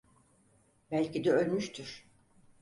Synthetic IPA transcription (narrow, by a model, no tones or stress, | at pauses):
bælʲcid̪ɛølʲmyʃt̪ʰyɾ̥